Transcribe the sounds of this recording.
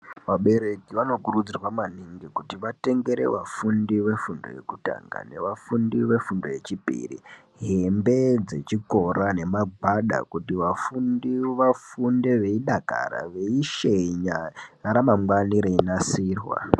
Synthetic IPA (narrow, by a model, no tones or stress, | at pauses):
ʋaɓe̞ɾe̞kiʋano̞kurud͡zirwamaniŋɡikutiʋate̞ŋɡe̞ɾe̞̰ʋafundiʋe̞fundo̞̰je̞̰kuta̰ŋɡa̰ne̞ʋafundiʋe̞fundo̞je̞t͡ʃipḭrḭ | ɦe̞mbe̞d͡ze̞t͡ʃiko̞ɾane̞maɡʱaɗa̰kutiʋafundiʋafundeʋe̞iɗaka̰ɾa̰ʋe̞iʃeɲaɾamamwaniɾeinasiːrwa̰